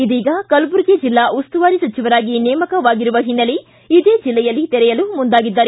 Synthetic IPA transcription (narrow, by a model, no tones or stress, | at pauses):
id̪iːɡɐkɐlbuɾɡed͡ʒilːaʔust̪uʋaːɾisɐt͡ʃiʋɐɾaːɡinɛːmɐkɐʋaːɡiɾuʋɐɦinːɐliː | d̪e̞ːd͡ʒilːɛjɐlːit̪ɛɾɛjɐlumund̪aːɡid̪ːaːɾe